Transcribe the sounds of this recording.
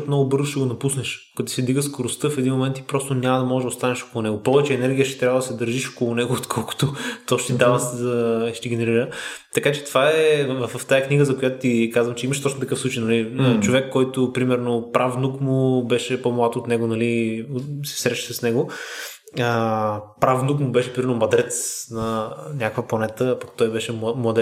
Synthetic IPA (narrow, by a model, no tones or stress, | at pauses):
ot̪mnɔɡʊbɤɾzʊʃɛɡonɐpusnɛʃkɐt̪u̥sɛd̪viɡəskoɾʊst̪ɤfɛd̪inmomɛnt̪ipɾɔst̪ʊnʲamɐd̪ɐmɔʒɛd̪ɐoʊst̪anɛʃo̥kolˠʊnɛɡʊpɔvɛt͡ʃɛːnɛɾɡʲijəʃt̪ɛt̪ɾʲjavɐd̪ɐsɛd̪əɾʒiʃo̥kolˠʊnɛɡʊːt̪kʰɔlˠkʊ̥t̪ot̪ɔʃt̪id̪avəszɐʃt̪iɡɛnɛɾiɾət̪ɐkat͡ʃɛ̥t̪ovaɛvɐvɐft̪ajɐkniɡəzɐkojat̪ʊt̪ikazvɐmt͡ʃɛimɐʃt̪ɔt͡ʃnot̪ɐkɤfsˠut͡ʃejnɐlit͡ʃovɛkːɔjt̪ʊpɾimɛɾnʊpɾʔafnukmʊbɛʃɛpomlˠat̪ːt̪nɛɡʊnɐli | sɛ̥sɾɛʃi̥sɐsnɛɡʊ | əpɾafnukmʊbɛʃɛpɾimɛɾnomɐd̪ɾɛt̪snɐnʲakkvɐplˠɐnɛt̪əpakt̪ɔjbɛʃɛmlˠɐd̪